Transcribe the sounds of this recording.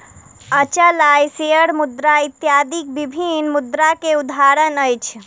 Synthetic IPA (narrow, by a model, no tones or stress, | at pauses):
ət͡ʃəlajseəɽmud̪ɾait̪jad̪ik̚bibʱinmud̪ɾakeud̪ʱaɾənəjt͡ʃʰ